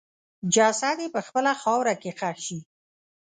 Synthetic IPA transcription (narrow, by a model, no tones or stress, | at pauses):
d͡ʒasad̪epəxpəlaxɑwɾakexaʃi